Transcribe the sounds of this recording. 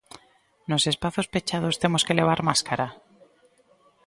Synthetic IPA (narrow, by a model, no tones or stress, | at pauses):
no̞se̞spaθo̞spe̞t͡ʃað̞o̞st̪e̞mo̞ske̞le̞β̞aɾmaskaɾa